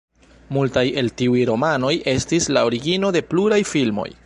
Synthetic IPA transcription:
multaje̞ltiujɾo̞mano̞je̞stislaoɾiɡino̞de̞pluɾajfilmo̞̰j

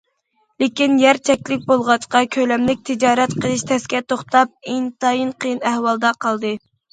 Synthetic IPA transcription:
lɪkʲinjɛɾt͡ʃʰɛkʲlɪk̚ʲbolˠʁɑt͡ʃqɑkʲʰølɛmlɪk̚ʲt̪ʰɪd͡ʒɑːɾɛt̪qʰəlˠɨʃt̪ʰɛskʲɛt̪ʰoχt̪ɑp̚eŋt̪ɑjɨnqʰəjɨnæhwɑlˠd̪ɑqʰɑlˠd̪ɨ

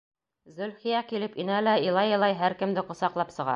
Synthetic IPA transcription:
zɵ̆lχijækilɘpinælæilˠɑjɤ̆lˠɑjɦæɾkɘ̆md̪ɘqŏsɑqlˠɑpsɤ̆ʁɑ̰

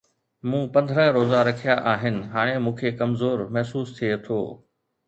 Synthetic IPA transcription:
mũːpɐ̃nd̪ʱɾə̃ɦɾoːzaɾɐkʰijaʔaːɦɪnɪ̆ɦaːɽ̃emũːkʰekɐmzoːɾmɐɦsuːst̪ʰiet̪ʰoː

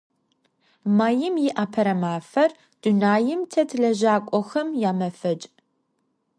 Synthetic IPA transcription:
maːjɪmjɪʔaːpʰɐɾɐmaːfɐr | d̥unaːjɪmtʰɐtʰɮɐʒaːkʷʼɔxɐmjaːmɐfɐt͡ʃʼ

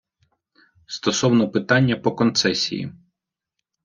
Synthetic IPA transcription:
st̪ɔsɔwnɔpɪt̪ɑnʲːɐpɔkɔnt̪sɛsʲḭjḭ

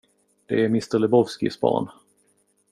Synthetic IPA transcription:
d̪̥ɛæɾmɪst̪əɾɭlɛbɔvskɪ̰sbɑ̰ːɳ

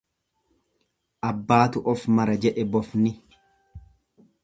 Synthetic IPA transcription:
ʔɐbːaːt̪ʊʔɔfmɐɾɐd͡ʒɛᶑɛbɔfnɪ

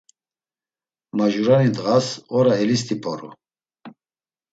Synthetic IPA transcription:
maʒuɾanid̪ɣasɔɾaɦɛlis̬t̪ʰʼipʰʼɔɾṵ

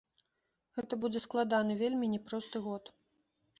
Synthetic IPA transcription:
ɣɛt̪ɐbud͡zʲɛsklˠad̪anɨvʲelʲmʲinʲɛpɾɔst̪ɨɣɔt̪

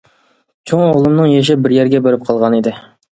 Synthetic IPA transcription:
t͡ʃʰoŋoʁlˠɨmnɨŋjeʃ̬ɪbɪɾjɛɾɡʲɛbeɾɪp̚qʰɑlˠʁɑnid̪ɪ

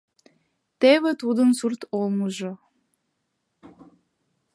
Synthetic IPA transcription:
t̪eβɘ̆t̪ud̪ə̆nsurt̪olˠmuʒɤ̆

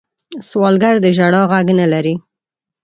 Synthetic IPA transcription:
swɑlɡaɾd̪əʒaɽɑɣaɡnəlaɾi

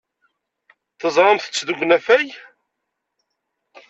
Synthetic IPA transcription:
θəzˤɾˤəmθə̥t͡sːðuɡʷnæfæj

